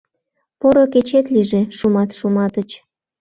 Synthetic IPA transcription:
poɾoket͡ɕet̪liʒeʃumɑt̪ʃumɑt̪ət͡ɕ

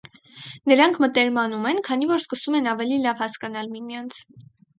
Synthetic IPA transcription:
nəɾɑŋkʰmət̪ɛɾmɑnumɛnkʰɑn̪ivɔɾskəsumɛnɑvɛlilɑvhɑskɑnɑlmimjɑnt͡sʰ

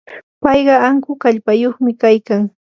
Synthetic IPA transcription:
pɑjɢɑaŋkʊkaʎpajoχmɪkajkaŋ

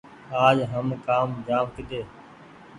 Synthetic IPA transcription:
aːd͡ʒɦəmkaːmd͡ʒaːmkɪɗ̪eː

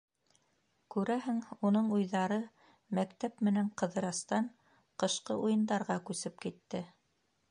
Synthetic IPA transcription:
kʉɾæɦɘŋunɤɴujðɑɾɤ | mækt̪æpmɘ̆næɴqɤ̆ðɤ̆ɾɑst̪ɑɴ | qɤ̆ʃqɤʔujɤ̆nd̪ɑɾʁɑkʉsɘp̚kit̪ːɘ

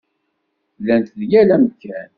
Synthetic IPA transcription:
lːænt̪ðjælæməkːæn

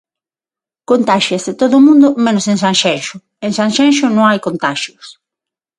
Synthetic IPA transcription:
kont̪aʃjɐzðet̪oðʊmũnd̪ʊmẽnʊseŋsaŋʃɛŋʃʊ | eŋsaŋʃɛnʃʊnõŋajkont̪aʃjʊs

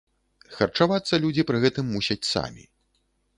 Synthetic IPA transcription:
xɐrt͡ʂavat̪sːɐlʲud͡zʲipɾɨɣɛt̪ɨmːusʲɐt͡sʲsa̰mʲḭ

